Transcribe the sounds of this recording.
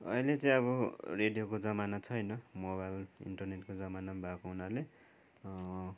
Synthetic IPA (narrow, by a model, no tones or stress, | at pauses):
ʌ̰ilet͡sʌ̃ĩʌβʌreɖijokod͡zʌmanat͡sʰʌjnʌmoβajlḭɳʈʌrneʈkod͡zʌmanabʱakoɦunale